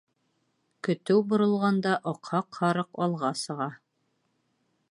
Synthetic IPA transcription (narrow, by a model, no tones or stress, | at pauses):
kɵ̆t̪ɘwbŏɾɤ̆lˠʁɑnd̪ɑʔoqhɑqhɑɾɤqɒlˠʁɑsɤ̆ʁɑ